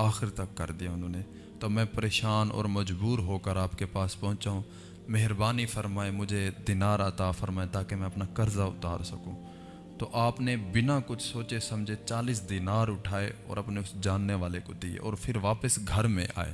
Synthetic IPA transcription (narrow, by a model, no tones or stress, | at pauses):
aːxɪɾt̪ɐkːɐ̰ɾd̪ijaʊ̃nõːne | t̪oːmɛ̃ːpəɾeːʃaːnɔ̰ːɾməd͡ʒbuːɾɦoːkəɾaːpkepaːspɔ̃ɦʊ̃t͡ʃaːɦũː | meɦɾbaːnifəɾmaːemʊd͡ʒʱed̪ɪnaːɾɐt̪aːfəɾmaːet̪aːkemɛ̃ɐpnakɐɾzaʊ̰t̪a̰ːɾsɐkũː | t̪oʔaːpnebɪnakʊt͡ʃʰsoːt͡ʃesɐ̃md͡ʒʱet͡ʃaːliːsd̪inaːɾʊʈʰaːeɔ̰ːɾɐpneʊsd͡ʒaːnːeʋaːlekod̪iḛʔɔːɾpʰɪɾʋaːpəsɡʱɐɾmḛ̃ʔa̰ːḛː